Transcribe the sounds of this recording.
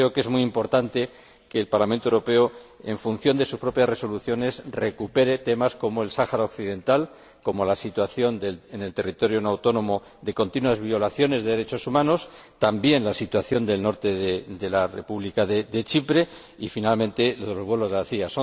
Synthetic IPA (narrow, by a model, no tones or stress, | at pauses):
ɾeo̞ke̞zmuiimpo̞ɾt̪ant̪e̞ | ke̞ːlpaɾlamẽnt̪oewɾo̞pe̞oe̞ɱfunθjo̞nd̪e̞suspɾo̞pjasre̞so̞luθjo̞ne̞sre̞kupe̞ɾe̞t̪e̞masko̞mo̞e̞lsaxaɾao̞kθiðe̞nt̪al | ko̞mo̞lasit̪waθjo̞nd̪elene̞lt̪e̞rit̪o̞ɾjonawt̪o̞nõ̞mo̞ | ðe̞ko̞nt̪inwazβjo̞laθjo̞ne̞zðe̞ðe̞ɾe̞t͡ʃo̞sumãno̞st̪ambje̞nlasit̪waθjo̞nd̪e̞lno̞ɾt̪e̞ðed̪e̞larḛpuβlikaðed̪e̞t͡ʃipɾe̞ | ifinalmẽnt̪e̞loðelo̞zβwe̞lo̞zðaθiaso